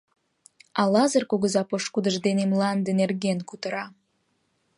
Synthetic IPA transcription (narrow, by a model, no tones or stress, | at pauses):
ɑlɑzərkoɣəzɑpoʃkud̪ə̆ʒd̪enemlɑnd̪ənerɣenkut̪əɾɑ